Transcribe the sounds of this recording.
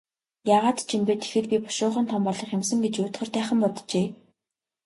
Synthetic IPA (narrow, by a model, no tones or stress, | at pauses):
jaːʁaːt̪t͡ɕʰimpeːt̪ʰe̥xɘ̆t̪pʲipɔ̥ʃʊːχə̆nt̪ʰɔmpɔɮɞ̆χjemsə̆ŋɡet͡ɕjʊːt̪χə̆rt̪æːχə̆mpɔt̪t͡ɕeː